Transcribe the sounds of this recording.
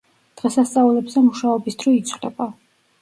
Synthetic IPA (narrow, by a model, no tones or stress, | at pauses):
d̪̥ʁɛsast̪sʼaulɛbzɛmuʃaɔbisd̪ɾɔit̪sʰχlɛ̰ba